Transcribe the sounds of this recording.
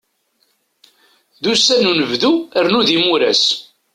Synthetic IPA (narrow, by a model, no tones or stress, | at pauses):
ðusænunəvðuəɾnuðimuɾæs